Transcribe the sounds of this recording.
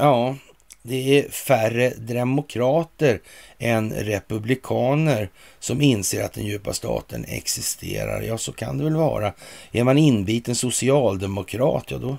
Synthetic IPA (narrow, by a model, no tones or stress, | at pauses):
jɑː | d̪ɛæɾfærəd̪ɾɛmʊkʰɾɑːt̪əɾɛnɾɛpɵblɪkʰɑːnəɾsɔmɪnseːɾat̪̚d̪ɛ̰njʉ̟ːpast̪ʰɑ̰ːt̪ə̰nɛ̰ksɪst̪ʰḛːɾa̰ɾjɑːsɔkʰa̰nd̪ɛvɛlvɑ̰ːɾaæɾmanɪnbiːt̪ənsʊsɪɑːld̪ɛmʊkʰɾɑ̰ːt̪jɑ̰d̪ɔ